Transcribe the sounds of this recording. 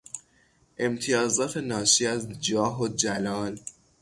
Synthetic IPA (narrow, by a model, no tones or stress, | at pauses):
ʔe̞mt̪ʰijɒːzɒːt̪ʰe̞nɒːʃiːæzd͡ʒɒːɦod͡ʒælɒːl